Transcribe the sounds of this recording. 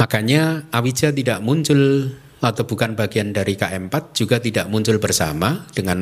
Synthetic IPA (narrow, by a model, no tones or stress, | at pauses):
makaɲaawi̥d͡ʒat̪idaʔmuɲt͡ʃʊl | at̪awb̥ukanbaɡiandaɾikaʔɛmpat̪̚d͡ʒ̥uɡat̪idaʔmuɲt͡ʃʊlbərsa̰mad̥əŋan